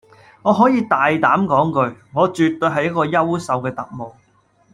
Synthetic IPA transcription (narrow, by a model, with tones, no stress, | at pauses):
ŋɔː˨˧ɦɔː˨˥jiː˨˧t̪aː˨jt̪aː˨˥mkɔː˨˥ŋkɵ˧ɥŋɔː˨˧t͡ʃyː˨t̪ːɵ˧ɦɐ˨jɐ˥t̚kːɔː˧jɐ˥wsɐ˨wkɛː˧t̪ɐ̰˨k̚mo˨˩w